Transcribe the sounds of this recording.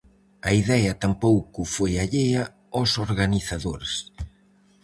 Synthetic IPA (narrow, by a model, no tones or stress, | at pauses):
ɐiðɛɐt̪ampowkʊfojaʎeɐ | osoɾɣaniθaðoɾs